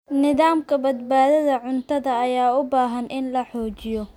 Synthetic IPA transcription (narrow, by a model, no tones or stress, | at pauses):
nɪðaːmkʰɐbɐd̪baːðɐðɐʕʊnt̪ʰɐðɐːjaːʊbaːɦɐnʔɪnlɐħɔːt͡ʃɪjɔ